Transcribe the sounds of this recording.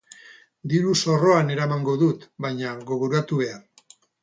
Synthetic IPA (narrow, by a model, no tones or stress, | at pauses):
d̪iɾuso̞ro̞ane̞ɾamaŋɡo̞ðut̪baɲaɣo̞ɣuɾuat̪uβ̞e̞a